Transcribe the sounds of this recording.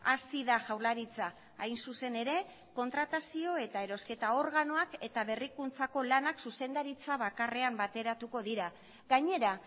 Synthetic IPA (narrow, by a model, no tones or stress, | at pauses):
asiðaʝawɾlaɾit͡sa | ajnsuse̞ne̞ɾe̞ | ko̞nt̪ɾat̪asio̞e̞t̪ae̞ɾo̞ske̞t̪ao̞ɾɣano̞ake̞t̪aβe̞rikunt͡sako̞lanaksuse̞nd̪aɾit͡saβakare̞ambat̪e̞ɾat̪uko̞ðiɾa | ɣaɲe̞ɾa